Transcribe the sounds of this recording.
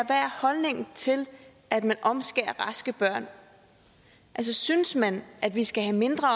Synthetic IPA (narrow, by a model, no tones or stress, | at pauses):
ʋæɐ̰hɒ̽lne̝ŋt͡sʰe̝l | æd̥mænʔɒ̽msɡ̥eːɐʁɑ̈sɡ̥əb̥ɶɐ̰n | ʔælsɒsynəsmænʔæd̥ʋisɡ̥æɦæme̝nd̥ʁɐ